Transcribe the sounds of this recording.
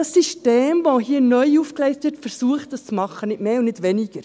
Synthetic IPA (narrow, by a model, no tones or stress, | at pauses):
ɑsːiʃteːmʋohiːənœʏuːfkleɪstʋɪɾtfɛɾsuəχt̚d̥ɑst͡smɑχːənɪtmeːʊnnɪdʋɛniɡ̥əɾ